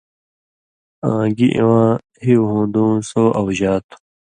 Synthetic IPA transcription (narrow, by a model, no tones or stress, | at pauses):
ãːɡiʔḭ̃wãː | hiwɦõːnd̪ũːnsoːʔɐwʑaːt̪ʰu̥